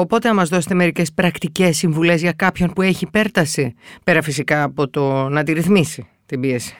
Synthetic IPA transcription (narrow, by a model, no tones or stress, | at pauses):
o̞po̞t̪eɐmɐzðo̞set̪e̞me̞ɾice̞spɾɐkt̪ice̞sːiɱvule̞zʝɐkɐpço̞npue̞çipe̞ɾt̪ɐsipe̞ɾɐfisikɐːpo̞t̪o̞nɐt̪̬iɾiθmisi | t̪imbiesi̥